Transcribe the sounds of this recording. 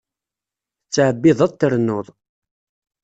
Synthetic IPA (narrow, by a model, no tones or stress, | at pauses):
t͡sːʕəbːɪðˤæˤt̪ːəɾnoðˤ